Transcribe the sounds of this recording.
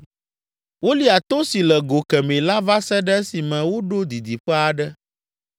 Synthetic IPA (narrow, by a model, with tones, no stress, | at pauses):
wo˦li˦a˨t̪o˦si˨lɛ˨ɡo˨kɛ˨mẽ˨la˦va˦sɛ˦ɖɛ˦si˨mɛ̃˨wo˦ɖo˦d̪i˨d̪i˨ɸɛ˦a˨ɖɛ˦